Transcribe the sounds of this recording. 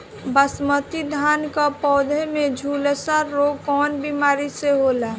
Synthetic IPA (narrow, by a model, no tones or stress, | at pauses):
bəsmət̪id̪ʱaːnkapɔːd̪ʱemed͡ʒʱuːlesaɾːoɡ̚kɔːnbimaːɾiseɦoːla